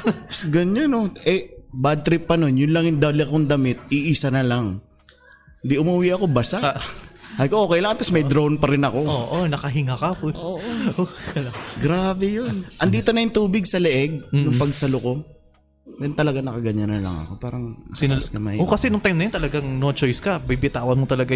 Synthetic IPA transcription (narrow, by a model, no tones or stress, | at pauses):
sɡɐɲanoʔɛbad̪̚t̪ɾɪpːɐno̞njʊnlaŋɪnd̪ɐlɪɐkoŋd̪ɐmɪt̪̚iʔiːsɐnɐlaŋ | hɪnd̪iʔʊmuwiʔɐko̞basaʔhɐjkoʔokɛjlaŋɐnt̪ɐsmɐjd̪ɾownpɐɾɪnɐko̞oʔonɐkɐɦɪŋakɐpʔoːʔolɡɾaːbɛjonʔɐnd̪iːt̪onɐjʊŋt̪uːbɪɡ̚sɐlɛʔɛɡ̚nʊŋpɐɡsɐloko̞ | jɐnt̪ɐlɐɡanɐkɐɡɐɲanɐlɐ̰ŋɐ̰ko̞paːɾɐŋɐ̰sɪɐskɐmɐhiːokɐsɛnʊŋt̪ajmnɐjont̪ɐlɐɡaŋnot͡ʃojskɐbibɪt̪aːwɐnmot̪ɐlɐɡa